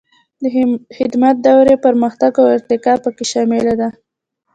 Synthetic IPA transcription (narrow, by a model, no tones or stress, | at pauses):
d̪əxɪd̪mat̪̚d̪awɾepəɾməxt̪aɡawɪɾt̪ɪkɑpəkeʃɑmɪlad̪a